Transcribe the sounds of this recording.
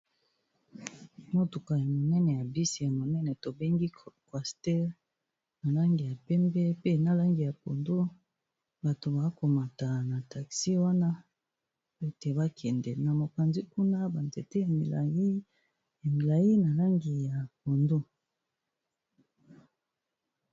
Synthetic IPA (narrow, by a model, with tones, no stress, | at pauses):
mo˦to˨ka˨ja˨mo˨nɛ˦nɛ˨ja˨bi˦si˨ja˨mo˨nɛ˦nɛ˨to˨be˦ŋɡi˦kwa˨stɛ˦l | na˨la˦ŋɡi˨ja˨pɛ˦mbɛ˦pe˦na˦la˦ŋɡi˨ja˨po˨ndo˦ | ba˨to˨ba˨˦ko˨ma˨ta˨na˨ta˨ksi˦wa˦na˦ | e˦te˨ba˦kʰɛ˨ndɛ˨na˨mo˨ka˨nzi˦ku˦na˦ba˨nze˨te˦ja˨mi˨la̰˨ji˦ | ja˨mi˨la˨ji˦na˨la˦ŋɡi˨ja˨po˨ndo˦